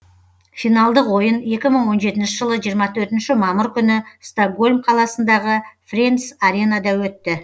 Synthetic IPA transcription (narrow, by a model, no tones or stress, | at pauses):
finɑlˠd̪əqwo̞jəne̞kʲɪməɴwo̞nʒe̞t̪ɪnʃɪʒəlˠəʒijəɾmɑt̪ʰɵɾt̪ɪnʃɪmɑməɾkʲʰʏnɪst̪oɡo̞lʲmqʰɑlˠɑsənd̪ɑʁəfrensaɾʲe̞nɑd̪ɑwɵt̪ːɪ